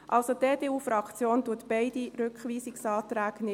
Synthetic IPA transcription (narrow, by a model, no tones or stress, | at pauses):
ʔɑlsodeːdeːuːfɾɑkt͡sjoːnduətb̥ɛɪdiɾʏkχʋiːsɪksɑːt̪ɾæːɡ̥nɪ